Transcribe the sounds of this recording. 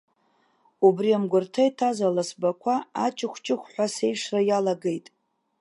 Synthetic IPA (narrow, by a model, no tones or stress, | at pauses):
ubriamɡʷʊrtʰajtʰazalasbakʷʰaat͡ʃʼɪχʷt͡ʃʼɪχʷħʷase̞jʂrajalaɡe̞jtʼ